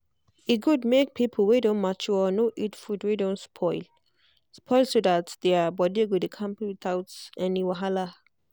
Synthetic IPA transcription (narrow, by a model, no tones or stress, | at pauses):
iɡudmek̚pʰipʰəl̩ˠwedõnmat͡ʃuɔnoʔitfudwedõnspʰɔɪl | spʰɔlsodatdɛabɔdieɡodekʰãmpiwiθaʊtɛniwaɦala